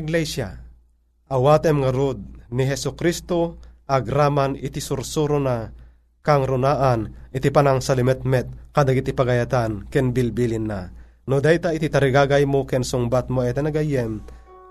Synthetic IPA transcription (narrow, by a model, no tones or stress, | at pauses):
ɡlɛsja | ʔɐwaːt̪ɛmŋaɾod̪̚niɦɛsʊkɾist̪oʔɐɡɾamanɪt̪isʊɾsuɾona | kaŋɾʊnaːʔanɪt̪ipanaŋsalɪmɛt̪̚mɛt̪̚kad̪aɡit̪ipɐɡɐjat̪ankɛnbilbilinːa | nod̪ajt̪ait̪it̪ɐɾiɡaːɡajmokɛnsʊŋbat̪̚moɛt̪ɛnɐɡajɛm